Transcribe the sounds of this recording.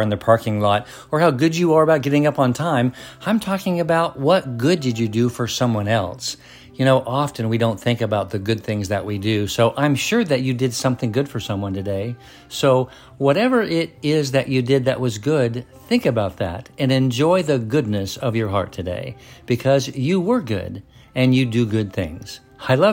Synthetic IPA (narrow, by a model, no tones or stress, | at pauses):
ɨ̃nðɨpʰɑɹkɪ̃ŋlɔɾ̚ | ə˞haʊɡʊd͡ʒɨə˞əbaʊt̚ɡ̥ɛɾɪ̃ŋʌpn̩tʰãɪ̃mãɪ̃mtʰɔkɪ̃ŋɨbaʊt̚wʌt̚ɡ̥ʊdɨd͡ʒɨdɨfə˞sʌ̃mwʌ̃nɛlˠs | jɨñoʊʔɑfɨ̃nwidõʊ̃nθɪ̃ŋkɨbaʊt̪̚ðɨɡʊd̪̚θɪ̃ŋzðɨ̰ʔ̚widʉsoʊʔãɪ̃mʃʊɹðɨt͡ʃɨdɨd̥sʌ̃mθɪ̃ŋɡʊd̥fə˞sʌ̃mwʌ̃ntʰɨdeɪ | soʊ | wʌɾɛvə˞ʔɪɾɪzðɨt͡ʃɨdɪd̪̚ðɨ̰ʔ̚wʌzɡʊd | θɪ̃ŋkɨbaʊt̪̚ðɨ̰ɾɨ̃nɨ̃nd͡ʒɔɪðɨɡʊdⁿnɨsʌvjə˞ɦɑ̰ɹtʰɨdḛɪb̥ɨkʰʌzjɨwə˞ɡʊ̰d | ɨ̃njɨdɨɡʊd̪̚θɪ̰̃ŋz̥ | aɪlʌ